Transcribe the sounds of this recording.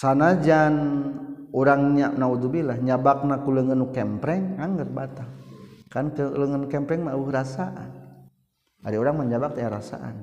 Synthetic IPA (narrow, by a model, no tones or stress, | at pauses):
sanad͡ʒan | oɾaŋɲanaud̪ubilahɲabak̚nakuləŋənukɛmpɾɛŋaŋɡərbat̪akankələŋənukɛmpɾɛŋmabuɾasaʔa̰n | a̰ɾioɾaŋmaɲd͡ʒabak̚t̪ajaɾasa̰ʔa̰n